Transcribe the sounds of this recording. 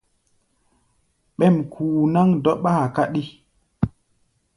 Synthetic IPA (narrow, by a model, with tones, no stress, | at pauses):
ɓɛ˦˨mkʰuː˨na˦ŋdɔ˦ɓaː˦˨ka˦ɗi˦